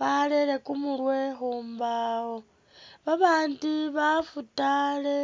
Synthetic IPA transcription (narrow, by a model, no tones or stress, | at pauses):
βaleɾe̞kumuɾwexuːmbaho | βaβaːndiβafutale